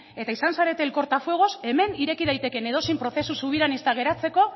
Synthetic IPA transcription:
e̞t̪aisansaɾe̞t̪e̞ːlko̞ɾt̪afwe̞ɣ̞o̞se̞me̞niɾe̞kiðajt̪e̞ke̞ne̞ð̞o̞simpɾo̞θe̞susuβ̞iɾanist̪aɣ̞e̞ɾat͡se̞ko̞

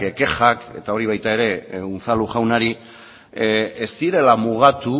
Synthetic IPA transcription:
eke̞xake̞̰t̪ao̞ɾiβ̞ajt̪ae̞ɾe̞unt͡saluʝawnaɾi | est̪iɾe̞lamuɣat̪u

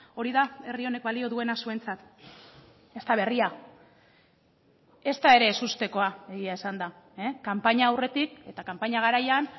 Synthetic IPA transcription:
o̞ɾiðae̞rio̞ne̞k̚balio̞ðue̞nasue̞nt͡sat̪ | e̞st̪aβ̞e̞ria | e̞st̪ae̞ɾe̞ːsust̪e̞ko̞ae̞ɣiaesand̪a | ekampaɲaːwre̞t̪ike̞t̪akampaɲaɣ̞aɾajan

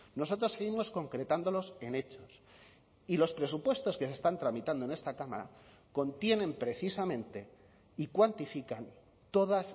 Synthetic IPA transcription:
no̞so̞t̪ɾosːe̞ɣimo̞sko̞ŋkɾe̞t̪and̪o̞lo̞se̞ne̞t͡ʃo̞s | ilo̞spɾe̞supwe̞st̪o̞ske̞sest̪ant̪ɾamit̪and̪oene̞st̪akama̰ɾa̰ | ko̞nt̪je̞nẽ̞mpɾe̞θisamẽ̞nt̪e̞ | ikwant̪ifikan | t̪o̞ðas

